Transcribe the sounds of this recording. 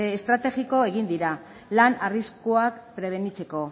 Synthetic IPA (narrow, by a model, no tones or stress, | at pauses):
st̪ɾat̪e̞ɣiko̞e̞ɣ̞ind̪iɾa | lanariskoakpɾe̞β̞e̞nit͡se̞ko̞